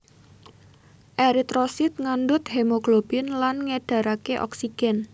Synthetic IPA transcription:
ʔeɾit̪ɾosit̪̚ŋandʊt̪hemoɡlob̥ɪnlanŋeɖ̥a̤ɾakeʔɔ̰ksiɡ̥ɛn

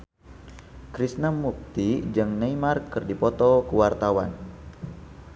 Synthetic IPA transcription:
kɾisnamuk̚t̪id͡ʒɨŋnejmarkːɨrdipɔt̪ɔkəwart̪awan

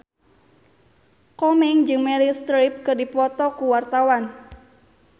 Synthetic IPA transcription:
kɔmɛŋd͡ʒɨŋmɛlist̪ɾip̚kɨrdipɔt̪ɔkuwart̪awan

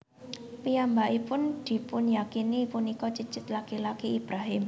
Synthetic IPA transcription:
pijambaʔipʊnd̪̥i̤pʊnjakinipunikɔt͡ʃət͡ʃɪt̪lakilakiːb̥ɾaɦɪm

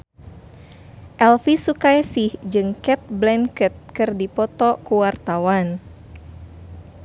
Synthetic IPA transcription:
ʔɛlfisukajsihd͡ʒɨŋkɛt̪̚blɛnkət̪̚kɨrdipɔt̪ɔkuwart̪awan

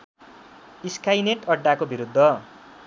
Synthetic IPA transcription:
iskajneʈʌɖːakobiɾud̪ʱːʌ

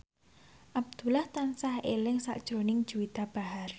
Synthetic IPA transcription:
ʔab̚d̪̥ṳlaht̪ansahelɪŋsa̰ʔd̥ʒ̥ɾonɪŋ̥d͡ʒ̥uit̪ab̥aɦar

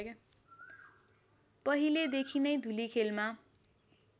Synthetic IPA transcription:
pʌɦiled̪ekʰinʌjd̪ʱulikʰelma

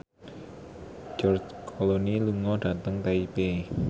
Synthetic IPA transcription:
d͡ʒɔrd͡ʒkʰoloniluŋɔɖ̥ä̤t̪əŋt̪aipe

